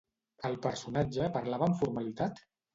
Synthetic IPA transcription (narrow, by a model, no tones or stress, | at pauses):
əlˠpəɾsunad͡ʒəpəɾlaβəːɱfuɾmalit̪at̪